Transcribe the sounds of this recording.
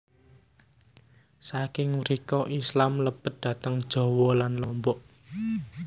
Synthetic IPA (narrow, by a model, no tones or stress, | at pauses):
sakɪŋɾikɔʔislamləpət̪̚d̪̥ä̤t̪əŋd̥ʒ̥ɔ̤wɔlanlɔmbɔʔ